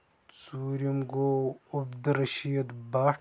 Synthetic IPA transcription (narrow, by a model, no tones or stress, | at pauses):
t͡suːɾimɡoːubd̪ɾɐʃijɐd̪baː